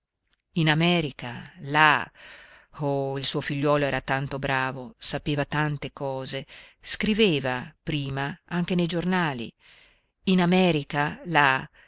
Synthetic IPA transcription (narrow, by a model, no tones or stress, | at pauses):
inamɛːɾika̰la | oilsuːofiʎːwɔːloɛːɾat̪ant̪obɾaːvosapeːvat̪ant̪ekɔːzeskɾiveːvapɾiːmaaŋk̟enejd͡ʒornaːlḭ | inamɛːɾikala